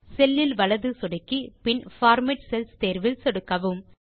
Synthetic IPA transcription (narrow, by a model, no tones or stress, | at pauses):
sɛlːɪlʋɐlɐðɯsɔɽɐkːipɪnfaːɾmɪʈsɛlst̪eːɾʋɪlsɛɽɯkːɐʋɯm